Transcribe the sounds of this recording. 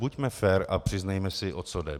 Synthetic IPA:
bucmɛfɛɾapr̝̥ɪznajmɛsɪʔot͡sodɛ̰

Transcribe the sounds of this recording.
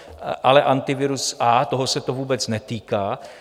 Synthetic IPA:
ʔalɛʔant̪ɪvɪɾusʔaːt̪oɦosɛt̪ovuːbɛt͡snɛt̪iːkaː

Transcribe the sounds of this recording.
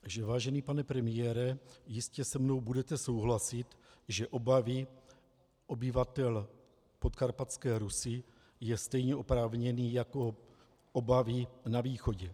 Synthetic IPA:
ʒɛvaːʒɛniːpanɛpɾɛmɪjɛːɾɛjɪscɛsɛmno̞wbudɛt̪ɛso̞wɦlasɪt̪ʒɛʔobavɪ | ʔo̞bɪvat̪ɛl | pot̪kaɾpat͡skɛːɾusɪ | jɛst̪ɛjɲɛʔo̞pɾaːvɲɛniːjako̞ | ʔobavɪnaviːxo̞ɟɛ

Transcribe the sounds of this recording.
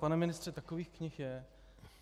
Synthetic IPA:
panɛmɪnɪst̪r̥ɛt̪akoviːxkɲɪxjɛ

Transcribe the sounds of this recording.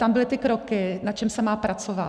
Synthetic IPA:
t̪ambɪlɪt̪ɪkɾokɪnat͡ʃɛmsɛmaːpɾat͡sova̰

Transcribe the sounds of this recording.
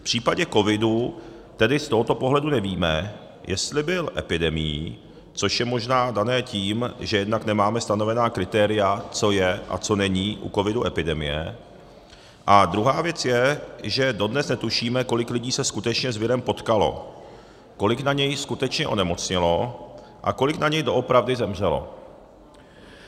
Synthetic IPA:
pr̥iːpaɟɛko̞vɪdu | t̪ɛdɪst̪o̞ɦo̞t̪o̞po̞ɦlɛdunɛviːmɛ | jʔɛst̪lɪbɪlʔɛpɪdɛmɪ̰jḭ | t͡so̞ʃjɛmo̞ʒnaːdanɛːciːmʒɛjɛdnaknɛmaːmɛst̪ano̞vɛnaːkɾɪt̪ɛːɾɪjat͡so̞jɛʔa̰t͡so̞nɛɲiːʔṵko̞vɪduʔɛpɪdɛmɪ̰jɛ̰ | ʔad̪ɾuɦaːvjɛt͡sjɛʒɛdo̞dnɛsnɛt̪uʃiːmɛko̞lɪklɪɟiːsɛskut̪ɛt͡ʃɲɛzvɪɾɛmpo̞t̪kalo̞̰ | ko̞lɪknaɲɛjskut̪ɛt͡ʃɲɛʔo̞̰nɛmo̞t͡sɲɪlo̞ | ʔa̰ko̞lɪknaɲɛjdo̞ʔo̞pɾavdɪzɛmr̝ɛlo̞̰

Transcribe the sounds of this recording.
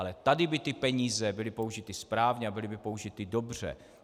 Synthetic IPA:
alɛt̪adɪbɪt̪ɪpɛɲiːzɛbɪlɪpo̞uʒɪt̪ɪspɾaːvɲɛabɪlɪbɪpo̞uʒɪt̪ɪdobr̝̥ɛ̰

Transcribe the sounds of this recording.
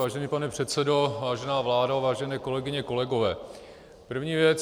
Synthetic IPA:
aːʒɛniːpanɛpr̝̥ɛt̪sɛdo̞vaːʒɛnaːvlaːdavaːʒɛnɛːko̞lɛɡɪɲɛko̞lɛɡo̞vɛː | pr̩vɲiːvjɛt͡s

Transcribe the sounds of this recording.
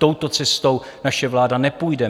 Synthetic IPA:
t̪o̞wt̪o̞t͡sɛst̪o̞w | naʃɛvlaːdanɛpujdɛ

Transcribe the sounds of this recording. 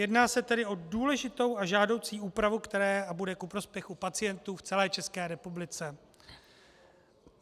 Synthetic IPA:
jɛdnaːsɛt̪ɛdɪʔo̞duːlɛʒɪt̪o̞waʒaːdo̞wt͡siːʔuːpɾavukt̪ɛɾɛːabudɛkupɾo̞spjɛxupat͡sɪjɛnt̪uːft͡sɛlɛːt͡ʃɛskɛːɾɛpublɪt͡sɛ

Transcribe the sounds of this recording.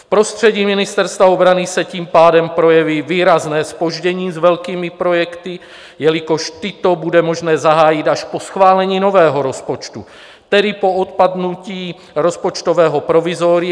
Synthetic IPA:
fpɾo̞st̪r̝̥ɛɟiːmɪnɪst̪ɛɾst̪vaobɾanisɛciːmpaːdɛmpɾo̞jɛviviːɾaznɛːspo̞ʒɟɛɲiːzvɛlkiːmipɾo̞jɛkt̪i | jɛlɪko̞ʃt̪ɪt̪obudɛmo̞ʒnɛːzaɦaːjɪt̪aʃposxvaːlɛɲiːno̞vɛːɦoɾo̞spot͡ʃt̪u | t̪ɛdɪpo̞ʔot̪pad̪nuciː | ɾospot͡ʃt̪ovɛːɦopɾovizoɾɪ

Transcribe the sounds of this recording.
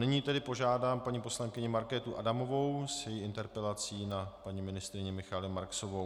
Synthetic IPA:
nɪɲiːt̪ɛdɪpo̞ʒaːdaːmpaɲiːpo̞slaŋkɪɲɪmaɾkɛːt̪uʔadamo̞vo̞wsjɛjiɪnt̪ɛɾpɛlat͡siːnapaɲimɪnɪst̪ɾɪɲɛmɪxalɪmaɾksovo

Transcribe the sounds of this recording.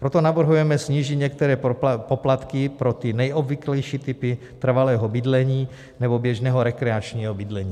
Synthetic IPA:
pɾot̪onavr̩ɦujɛmɛsɲiːʒit̪ɲɛk̚t̪ɛɾɛːpoplat̪kɪpɾot̪ɪnɛjʔobviklɛjʃiːt̪ɪpɪ | t̪r̩valɛːɦobɪd̪lɛɲiː | nɛbobjɛʒnɛːɦoɾɛkɾɛat͡ʃɲiːɦobid̪lɛɲiː

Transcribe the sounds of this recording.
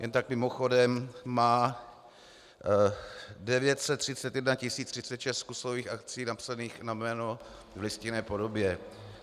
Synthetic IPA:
jʔɛnt̪ak̚mɪmoxo̞dɛmːaː | dɛvjɛt̪sɛt̪ːr̝̥ɪtt͡sɛt̪jɛdnacɪsiːt͡st̪r̥ɪsɛt̪ʃɛst̪kusoviːxakt͡siːnapsaniːxnamɛːno̞vlɪscɪnɛːpo̞do̞bjɛ

